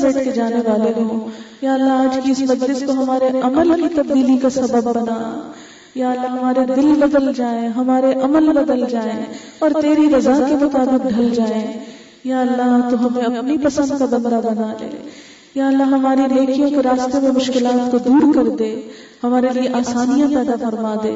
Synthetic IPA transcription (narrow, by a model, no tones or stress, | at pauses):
eːʈ̚ked͡ʒaːneʋaːleɦõjaːɐlːaɦaːd͡ʒkiɪsmɐt̪ɾɪskoɦɐmaːɾeʔɐməlkit̪ɐbd̪iːlikasɐbəbːɐnaːa̰ | jaːɐlːaɦɐmaːɾed̪ɪlbɐd̪əld͡ʒaːẽɦɐmaːɾeʔɐməlbɐd̪əld͡ʒaːẽ | ɔːɾt̪eːɾiɾɐzakemʊt̪aːbɪq̚ɖʱɐld͡ʒaːẽ | jaːɐlːaɦt̪oɦɐmẽɐpnipɐsə̃nd̪̚kabɐ̃nd̪abɐnalḛː | jaːɐlːaɦɦɐmaːɾineːkijõkeɾaːst̪ememʊʃkɪlaːt̪kod̪uːɾkɐɾd̪eː | hɐmaːɾelieʔaːsaːnijãpɛːd̪afɐɾmaːd̪ḛː